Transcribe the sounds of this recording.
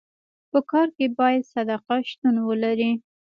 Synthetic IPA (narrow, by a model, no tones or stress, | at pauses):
pəkɑɾkebɑjad̪sad̪aqaʃt̪unwəlaɾi